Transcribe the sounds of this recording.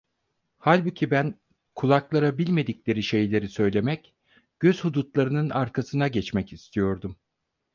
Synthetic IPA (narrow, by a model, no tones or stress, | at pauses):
halʲbucʰibæn | kʰulˠaklˠaɾabilʲme̞d̪iclʲe̞ɾiʃe̞jlʲe̞ɾisø̞jlʲe̞mɛc | ɟ̥øz̥hud̪ut̪lˠaɾɯnɯnaɾkʰasɯnaɟɛt͡ʃmɛcist̪ʰijo̞ɾd̪um